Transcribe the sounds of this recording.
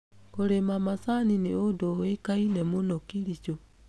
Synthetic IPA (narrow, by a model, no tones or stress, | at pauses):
koɾemamasanineodoekainɛmonɔkiɾit͡ʃo